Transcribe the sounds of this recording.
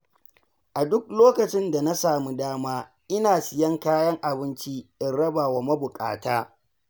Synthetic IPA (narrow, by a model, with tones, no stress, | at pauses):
ʔa˨dʊ˦k̚loː˦kɐ˨t͡ʃɪ˦nda˨na˦saː˨mu˦daː˦maː˦ | ʔɪ˦naː˨sɪ˨jɐ˦ŋkaː˦jɐ˦ŋʔa˨bɪ˦nt͡ʃi˦ʔɪ˨n˦ɾɐ˦ba˨wa˨mɐ˦bʊ˨kʼa̰ː˨taː˦